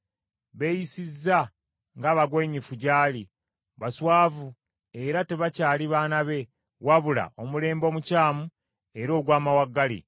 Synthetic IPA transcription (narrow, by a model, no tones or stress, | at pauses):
βe̞jisizːa | ŋɡaβaɡwe̞ɲifuɟaːli | βaswaːvu | e̞ɾate̞βacaːliβaːnaβe̞ | waβula̰ʔo̞mule̞ːmbo̞ːmucaːmu | e̞ɾo̞ːɡwaːmawaɡːalḭ